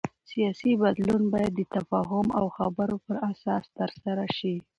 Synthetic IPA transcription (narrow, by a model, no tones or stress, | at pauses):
sijɑsibad̪lunbɑjad̪ːət̪afɑɦʊma̰wxabəɾopəɾasɑst̪əɾsaɾaʃi